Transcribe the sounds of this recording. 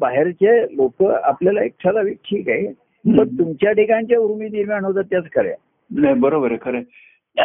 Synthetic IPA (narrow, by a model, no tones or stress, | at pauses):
baɦeɾt͡ɕelokəa̰pljalaek̚t͡ɕʰalaʋikʈʰiːkae | pəɳt̪umt͡ɕjaʈʰikãɲt͡ɕjauɾmiːd̪iɾmaɳod̪at̪jat͡skəɾja̰ | najbəɾobəɾekʰəɾə